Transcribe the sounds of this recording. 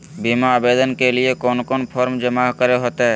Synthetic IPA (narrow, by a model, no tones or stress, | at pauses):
biːmaabeːd̪ənkeliekɔːnkoːnpʰɔːɾmd͡ʒəmaːɦkəɾeɦoːt̪eɦɛ